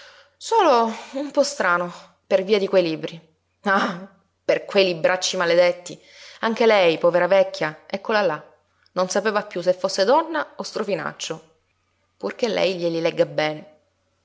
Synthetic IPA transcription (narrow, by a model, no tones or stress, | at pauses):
soːloumpɔst̪ɾaːno | perviːad̪ikwejlibɾi | a | perkwejlibɾʔat͡ʃːimaled̪et̪ːi | aŋk̟elɛjpɔːveɾavɛkʰʲːjaɛkːolala | nonsapeːvapːjus̬efːosːed̪ɔnːaost̪ɾofina̰t͡ʃːo | purk̟elːʔɛ̰jʎelilɛɡːabɛne